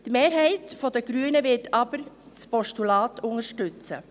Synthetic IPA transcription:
tmeːɾɦɛɪtfɔdəɡ̥ɾyːənəvɪtʰɑb̥əɾ | t͡spɔʃtulɑːtʊŋəʃtʉt͡sə̰

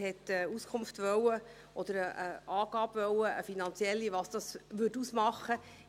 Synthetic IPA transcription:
hɛtəuskʰʊmftʋœwə | ʔɔd̪əɾəʔəɑːɡ̥ɑːbvœwəəfinɑnt͡sjɛlːiʋɑsd̥ɑsʋʏtusmɑχə

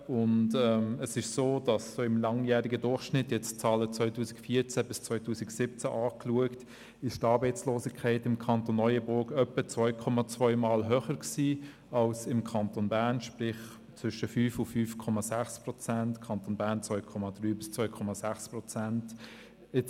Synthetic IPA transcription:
ʊndɛməsɪʃsoːd̥ɑssoːɪmlɑŋjæːɾɪɡədʊɾχʃnɪtjɛt͡st͡sɑːlət͡sʋœʏtuːsɪ̥kfiːɐt͡sæbɪst͡sʋœʏtʰuːsɪɡsɪp̚t͡sæʔɑːkluəkt | ɪʃtɑːɾbəɪt͡sloːsɪkʰɛɪtɪmkʰɑnt̪onːɔʏəbʊɡœpːət͡svœʏkʰɔmɑt͡svœʏmɑːlɦøːχəɾksiː | ɑlsɪmkʰɑntonbæːʁnʃprɪχ | t͡sʋʏʃəfyːfʊfyːfkʰɔmɑsæχsprɔt͡sæntkʰɑntonbæːʁnt͡svœʏkʰɔmɑd̥ʁyːbɪst͡svœʏkʰɔmɑsæχspɾɔt͡sænt | ɛt͡s

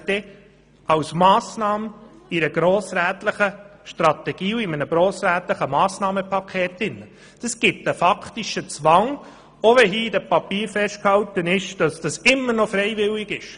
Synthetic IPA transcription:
d̪̥ɛ | ɑwsmɑːsnɑːmiɾəɡ̥ɾoːsɾæːt̪ləχəʃtɾɑt̪ɛɡ̥iːuɪmənəɡ̥ɾoːsɾæːt̪ləχəmɑːsnɑːməpʰɑkʰɛːtɪnə | d̥ɑsɡ̥ɪt̪əfɑktiʃət͡sʋɑŋ | oʋɛɦiːdəpɑpiːɾfɛʃt̚khɑwt̪ənɪʃd̥ɑsd̥ɑsɪmːəɾnɔfɾɛɪʋɪlɪɡɪʃ

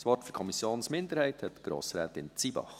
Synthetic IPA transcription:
sʋɔtfyɾkʰɔmisjoːnsmɪnd̪əɾhɛɪthɛtɡ̥ɾo̰ːsɾæːtɪnt͡sibɑ̰χ

